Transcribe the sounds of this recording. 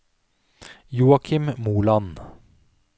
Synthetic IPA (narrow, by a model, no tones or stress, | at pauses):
juːɑkʰɪmmuːlɑn